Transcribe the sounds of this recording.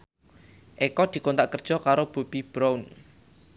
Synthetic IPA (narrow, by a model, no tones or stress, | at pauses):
ʔekɔd̪̥i̤kont̪aʔkərd̥ʒ̥ɔ̤kaɾob̥o̤b̥ib̥ɾaun